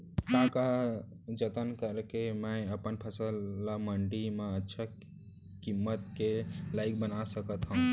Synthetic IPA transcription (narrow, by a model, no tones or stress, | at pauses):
t̪ãka | d͡ʒət̪ənkəɾkemə̃jəpənpʰəsəlːaməɳɖimãətːʃʰa | kimːət̪kelajk̚bənasəkət̪ɦəũ